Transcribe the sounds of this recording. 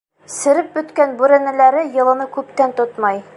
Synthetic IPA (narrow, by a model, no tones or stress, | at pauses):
sɘ̆ɾɘp̚bɵ̆t̪kænbʉɾænæ̆læɾɘjɤ̆lˠɤ̆nɤkʉpt̪ænt̪ot̪mɑj